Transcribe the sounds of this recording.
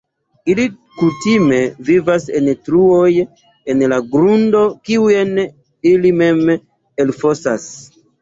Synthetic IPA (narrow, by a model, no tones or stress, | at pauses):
ili | kutime̞vivasentɾuoj | enlaɡɾundo̞kiuen | ilime̞m | elfo̞sa̰s